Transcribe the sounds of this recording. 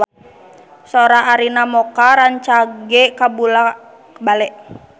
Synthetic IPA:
soɾaʔːɾinamɔkaɾaɲt͡ʃaɡɛkabula | balɛʔ

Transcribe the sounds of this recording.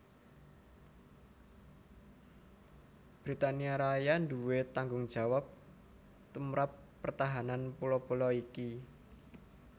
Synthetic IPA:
b̥ɾit̪aniaɾajand̪uwet̪aŋɡʊŋd̥d͡ʒ̥a̤wap̚ | t̪umɾapːərt̪aɦananpulɔpulɔiki

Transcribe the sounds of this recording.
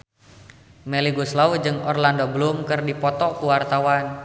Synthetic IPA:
meliɡuslaud͡ʒɨŋɔrlandoblumkɨrdipɔt̪ɔkuwart̪awan

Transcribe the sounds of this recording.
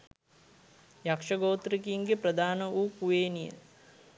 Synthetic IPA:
jakʂɐɡoːt̪ɾikiŋɡepɾɐd̪ʱaːnəuːkuʋeːnijə̰

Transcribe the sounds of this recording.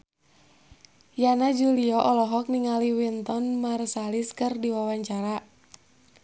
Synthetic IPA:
janad͡ʒuliɔʔɔlɔɦɔk̚niŋaliwint̪ɔnmarsaliskɨrdiwawaɲt͡ʃaɾa

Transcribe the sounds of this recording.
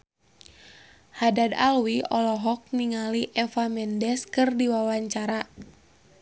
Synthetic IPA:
hadadalwiɔlɔɦɔk̚niŋaliʔɛfamɛndɛskɨrdiwawaɲt͡ʃaɾa

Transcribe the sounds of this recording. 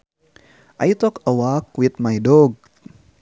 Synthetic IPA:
ʔajt̪ɔkəwak̚wit̪̚majdoɡ̚

